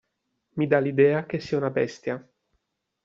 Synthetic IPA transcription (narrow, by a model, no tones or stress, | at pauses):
mid̪alid̪ɛːakesiːaunabɛ̰st̪ja